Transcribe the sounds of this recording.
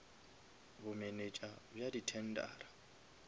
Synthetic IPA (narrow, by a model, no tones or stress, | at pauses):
bʊmenet͡ʃʼabjaditʰɛn̩dʼa̰ːra